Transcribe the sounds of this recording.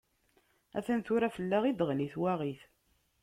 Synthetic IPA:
æ̰θənθʊɾæfəlːæʁid̪əʁliθwæʁiθ

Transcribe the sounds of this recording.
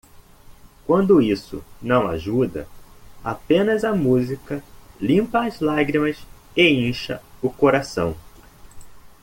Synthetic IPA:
kwɐ̃nd̪ʊisʊ̰nɐ̃w̃a̰ʒud̪ɐ̰apẽnɐzɐmuzikɐlĩpɐːzlaɡɾimɐs | eĩʃɐ̰ʊkoɾasɐ̰̃w̃

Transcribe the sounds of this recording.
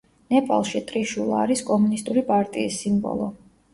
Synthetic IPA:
nɛpʼa̰lˠʃit̪ʼɾiʃulˠaːɾiskʼɔmunist̪ʼuɾipʼaɾt̪ʼiːsːimbɔ̰lˠɔ

